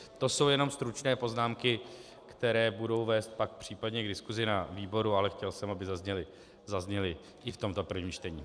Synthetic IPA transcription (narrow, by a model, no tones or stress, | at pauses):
t̪o̞so̞wjɛno̞mst̪ɾut͡ʃnɛːpo̞znaːmkɪ | kt̪ɛɾɛːbudo̞wvɛːst̪̚pak̚pr̝̥iːpadɲɛɡdɪskuzɪnaviːbo̞ɾualɛxcɛlsɛmabɪzazɲɛlɪ | zazɲɛlɪ | ʔɪft̪o̞mt̪o̞pr̩vɲiːmt͡ʃt̪ɛɲiː